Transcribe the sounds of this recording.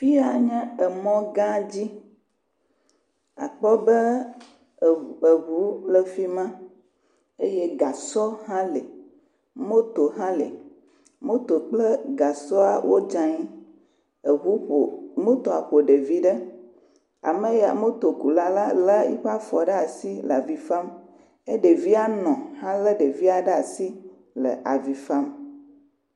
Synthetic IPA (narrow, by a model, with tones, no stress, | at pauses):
fi˦a˨ɲɛ̃˦ə˨mɔ̃˦ɡã˦d͡ʑi˦ | a̰˨k͡pɔ˦bə˦ | ə˨ɦu˨˦lə˦fi˦mã˦ | e˦je˦ɡa˨sɔ˦ɦã˦le˨ | mõ˦t̪o˨ɦã˦lḛ˨ | mõ˦t̪o˨k͡plə˦ɡa˨sɔ˦a˨wʔo˦d͡ʒã˦ɲi˦˨˦ | mõ˦t̪o˨a˨ɸo˨ɖe˨vi˦ɖə˦ | a̰˨mə˦ja̰˨mõ˦t̪o˨ku˨la˦la˦lə˦ḭ˦ɸa˦fɔ˨ɖə˦a˨si˦lə˨a˨vi˨fa˦m | e˦ɖe˨vi˦a˦nɔ̃˨hã˦lə˦ɖe˨vi˦a˨ɖə˦a˨si˦ | lə̰˨ʔa˨vi˨fa˦m